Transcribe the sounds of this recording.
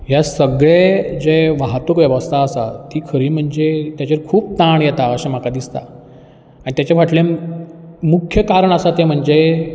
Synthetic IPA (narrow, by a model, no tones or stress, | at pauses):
ɦjasəɡɭed͡ʑeʋaɦt̪əkʋjɛʋəst̪ʰaəsa̰t̪iːkʰəɾiːm̤əɳd͡zet̪jat͡ɕeɾkʰuːp̚t̪aɳjɛt̪aəsãm̤akad̪ist̪a̰ | anit̪jat͡ɕaʋ̤aʈlẽ | mukʰjəkaɾəɳəsat̪em̤əɳd͡ze